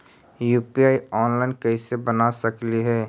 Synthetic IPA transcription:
juːpiaːiɔːnlaːɪnkəisebənasɐkliɦɛː

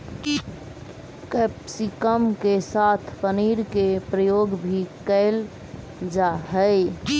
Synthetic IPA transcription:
kɛpsikəmkesat̪ʰpəniɾkepɾəjoɡbʱikəɪl | d͡ʒaɦəɪ

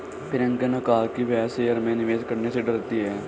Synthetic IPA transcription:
pʰɪɾɐ̃ŋkənɐkaɦakiʋɛːsejəɾmẽnɪʋeːd͡ʒkɐɾneseɖɐɾt̪iɦɛː

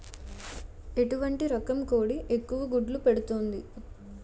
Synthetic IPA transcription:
e̞ʈuʋɐɳʈiɾɔkɐmkoːɽiʔekːuʋɐɡuɖlupe̞ɽut̪oːnd̪i

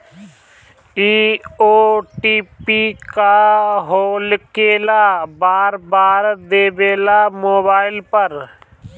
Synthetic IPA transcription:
iːoːʈiːpikaɦoːlkeːlabaːɾbaːɾd̪eːbeːlamoːbaːɪlpəɾ

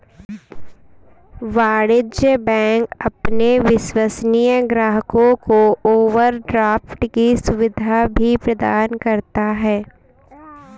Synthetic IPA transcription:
ʋaːɽɪd͡ʒjəbɛ̃ːŋkɐpneʋɪʃwəsnijəɡɾaːɦəkõkooːʋəɾɖɾaːfʈkisʊʋɪd̪ʱabʱipɾɐd̪a̰ːnkɐɾt̪aɦɛː

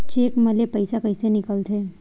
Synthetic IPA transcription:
t͡ʃeːkməlepəjsakəjsenɪkəlt̪ʰeː

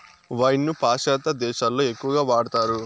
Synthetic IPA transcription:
ʋɐjnːupaːʃaːt̪ɐd̪ɛːʃaːlːo̞ːe̞kːuʋɐɡaːʋaːɽɐt̪aːɾu

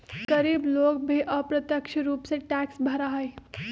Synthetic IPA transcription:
kəɾiːblokbʱeʔəpɾət̪jəkʂəɾuːpseʈæksbʱəɾaɦəj

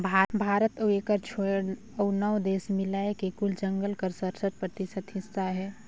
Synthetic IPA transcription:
bʱabʱaːɾət̪oekəɾt͡ʃʰoɽ | əʊnəwd̪eːsmɪlaekekʊld͡ʒə̃ŋɡəlkəɾsəɾsət̪̚pɾət̪ɪsəd̪ɦɪsːaɦɛː

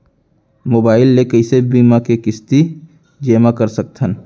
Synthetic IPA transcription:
moːbaːɪlːekəɪsebiːmakekɪst̪i | d͡ʒeːmakəɾsək̚t̪ʰən

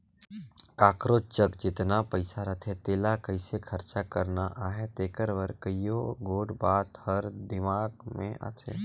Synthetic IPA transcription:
kaːkɾot͡ʃəkd͡ʒɪt̪napəɪsaɾət̪ʰet̪eːlakəɪsekʰəɾt͡ʃakəɾnaʔaːɦet̪eːkəɾʋəɾkəijoɡoːɽbaːt̪həɾd̪ɪmaːɡmḛ̃ʔa̰t̪ʰḛ

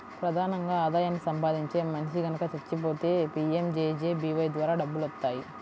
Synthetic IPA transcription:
pɾɐd̪ʱaːnɐŋɡaːaːd̪aːjaːnːisɐmpaːd̪iɲt͡ʃe̞ːmɐnt͡ʃiɡɐnɐkɐt͡ʃɐɾt͡ʃːipo̞ːt̪e̞ːpiːemd͡ʒeːd͡ʒeːbiːʋɐjd̪ʋaːɾaːɖɐbːulʋɐt̪ːaːji

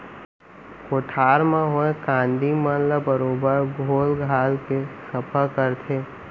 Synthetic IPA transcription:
koːʈʰaːɾmãɦoẽkãːnd̪imãnlabəɾoːbəɾɡʱoːlɡʱaːlkesəpʰəkəɾt̪ʰeː

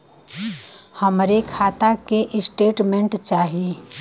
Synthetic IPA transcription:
həmɾekʰaːt̪akeʔɪsʈeːʈmẽɳʈt͡ʃaːɦe

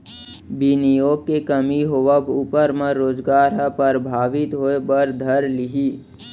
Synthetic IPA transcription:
binijoːɡ̚kekəmiɦoʋəbuːpəɾmãɾoːzɡaːɾɦəpəɾbʱaːʋɪt̪ɦoːebəɾd̪ʱəɾlɪɦi

